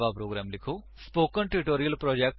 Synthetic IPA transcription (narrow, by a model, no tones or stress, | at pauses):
ʋaːpɾoːɡɾaːmlikʰoː | spoːkːənʈeɾiʈoːɾijɐlpɾoːd͡ʒeːk̚ʈ